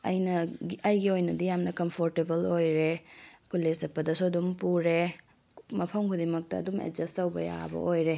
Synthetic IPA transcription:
ɐ̰jnɐɡiɐjɡiojnɐdijamnɐkɐmpʰoɾtebɐlojɾekʰulːesɐpːɐdɐsuɐdumpuɾe | mɐpʰɐmkʰudimɐk̚tɐɐ̰dumḛd͡ʒɐstɐwbɐ̰ja̰bɐ̰ʔojɾe

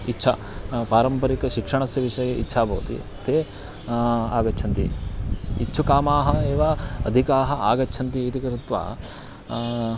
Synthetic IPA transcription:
itːt͡ʃʰɐ | paːɾɐmpɐɾikɐʃikʂɐɳɐsjɐʋiʂɐjɐɡeitːʃʰaːbɐːut̪ḭ | t̪eː | aːɡɐt͡ʃʰɐnt̪ḭ | it͡ʃːt͡ʃʰukaːmaːɦɐeːʋaːɐd̪ʱikaːɦɐaːɡɐt͡ʃʰɐnt̪iːt̪ikɐɾut̪ʋa̰ː

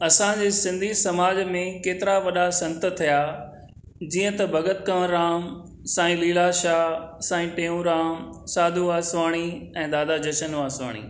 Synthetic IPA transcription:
ɐsãd͡ʑeːsɪ̃nd̪ʱisɐmaːd͡ʑmẽkeːt̪ɪɾaʋɐɗasɐ̃nt̪ət̪ʰija | d͡ʑiːə̃t̪ɐbʱɐɡət̪̚kɐʋ̃ɾaːm | sãːĩliːlaʃaːsãːĩʈẽːũɾaːmsaːd̪ʱuaːsʋaːɽ̃iɛ̃ːd̪aːd̪ad͡ʑɐʃənaːsʋa̰ːɽ̃ḭː

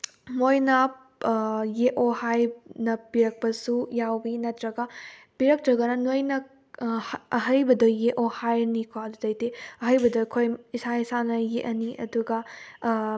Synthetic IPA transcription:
mojnɐ | jeʔohajnɐpiɾɐk̚pɐsujawbinɐtɾɐɡɐ | piɾɐk̚tɾɐɡɐnɐnojnɐ | hɐɦɐjbɐdojːeʔohajnikʰoɐdudɐjteɐɦɐjbɐdojkʰojisaisanɐjeʔɐniʔɐ̰duɡɐ

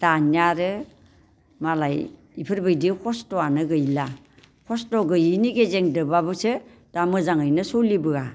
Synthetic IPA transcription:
d̥anjaɾɯ | malaj | ipʰɯɾbɯjdikʰɔstɔanɯɡɯjla | kʰɔstɔɡɯjiniɡezeŋdɯbabɯsɯ | d̥amɯzaŋɯjnɯsolibɯa

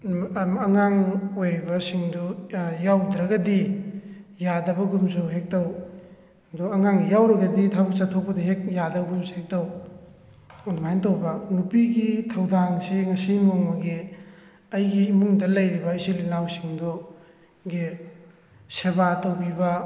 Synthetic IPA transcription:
ɐŋaŋojɾibɐsiŋdujawdɾɐɡɐdi | jadɐbɐɡumsuɦek̚tɐw | duɐŋaŋɡijawɾɐɡɐditʰabuk̚satʰok̚pɐdɐɦek̚jadɐbɐɡumsuhek̚tɐw | unmajntɐwbɐnupiɡitʰɐwdaŋsiŋɐsimoŋmɐɡi | ɐjɡiːmuŋdɐlɐjɾibɐisilinawsiŋdu | ɡi | sebatowbibɐ

